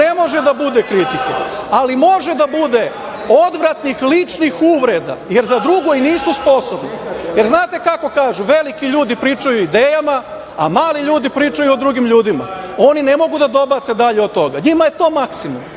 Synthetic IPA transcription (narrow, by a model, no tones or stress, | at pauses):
emo̞ʒed̪abud̪ekɾit̪ikealimo̞ʒed̪abud̪e̞ | o̞d̪ʋɾat̪nixlit͡ʂnixuːʋɾe̞d̪a̰je̞ɾzad̪ɾuɡoiniːsuspo̞sobnojeɾznaːt̪e̞kako̞kaːʒuʋe̞likiʎuːd̪ipɾiːt͡ʃajuid̪eːjama | a̰maːliʎuːd̪ipɾiːt͡ʃajuod̪ɾuɡimʎuːd̪ima̰o̞ninemo̞ɡud̪ad̪o̞bat̪se̞d̪aʎeo̞d̪̚t̪o̞ɡaɲimajet̪o̞ːmaksimṵm